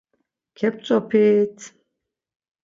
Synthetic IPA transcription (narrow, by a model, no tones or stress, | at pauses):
kʰɛp̚t͡sʼɔpʰiːt̪ʰ